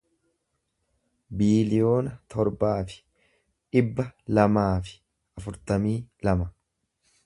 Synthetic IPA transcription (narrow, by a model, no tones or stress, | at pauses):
biːlɪjo̞ːnɐt̪ʰɔɾbaːfɪ̥ | ᶑɪbːɐlɐmaːfɪ̥ | ɐfʊɾt̪ɐmiːlɐmɐ